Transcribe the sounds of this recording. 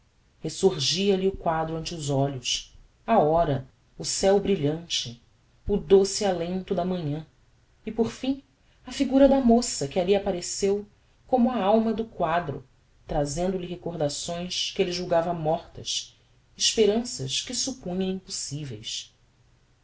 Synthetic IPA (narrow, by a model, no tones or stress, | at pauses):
hesuɾʒiɐliʊkwad̪ɾʊɐ̃nt͡ʃɪʊzɔʎʊs | aɔɾɐ | ʊsɛwbɾiʎɐ̃nt͡ʃɪ | ʊd̪osialẽnt̪ʊd̪ɐmɐ̃ɲɐ̃ | ɪpoɾfĩ | ɐfiɡuɾɐd̪ɐmosɐkɪaliapaɾesew | kõmʊɐawmɐd̪ʊkwad̪ɾʊ̰ | t̪ɾazẽnd̪ʊlɪɦekoɾd̪asõj̃skɪelɪʒuwɡavɐmɔχt̪ɐs | ɪʃpeɾɐ̃sɐ̰ʃkɪsupũɲɐ̃ĩmpusivejs